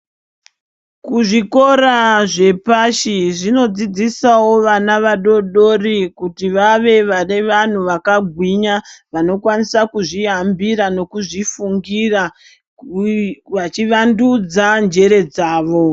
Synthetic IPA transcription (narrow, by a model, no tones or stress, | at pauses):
kuʐiko̞ɾaʐe̞paʃiʐino̞d͡zid͡zisawo̞ʋanaʋaɗo̞ɗo̞rikutiʋaʋe̞ʋane̞ʋan̤uʋakaɡʱwiɲaʋano̞kwanisakuʐiɦambiɾano̞kuʐifuŋɡira | ʋat͡ʃiʋandud͡zand͡ʒe̞ɾe̞d͡zaːʋo̞